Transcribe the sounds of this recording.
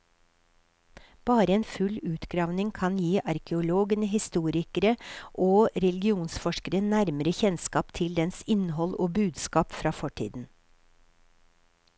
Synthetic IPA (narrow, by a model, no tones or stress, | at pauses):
b̥ɑːɾəeːnfʉlʉːt̪ɡɾɑːʋnɪŋkʰɑnjiːʔɑɾkʰɛʊloːɡənəɦɪst̪uːɾɪkəɾəʔoːɾɛlɡɪuːnsfɔʃkəɾənæɾməɾəçɛnskɑːpt̪ʰɪld̪ɛnsɪnhɔloːbʉːd̪skɑːpfɾɑːfɔʈʰḭːd̪n̩